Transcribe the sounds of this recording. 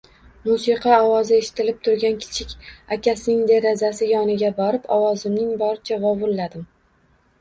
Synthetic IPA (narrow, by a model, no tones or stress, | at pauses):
musiqʰɑɒwɒzɪeʃɪ̥t̪ʰɪlɪp̚t̪ʰʊɾɡʲankʲʰɪ̥t͡ʃʰɪkʲakʲasɪnɪŋd̪eɾazasɪjɒnɪɡʲabɒɾɪpɒ̰wɒzɪmnɪŋbɒɾɪt͡ʃʰavɒvʊlːad̪ɪm